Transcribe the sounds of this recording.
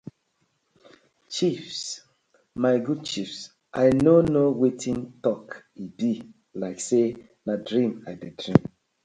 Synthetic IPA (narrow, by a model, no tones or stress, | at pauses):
t͡ʃifs | maɪɡud̚t͡ʃifs | ʔajnonowetʰĩntɔkibi | laɪkse | nadɹĩmajdedɹĩm